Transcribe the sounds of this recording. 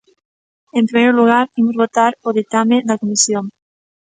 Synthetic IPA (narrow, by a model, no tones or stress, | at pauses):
empɾimejɾluɣ̞aɾimozβot̪aɾoðik̚t̪amed̪akomisjoŋ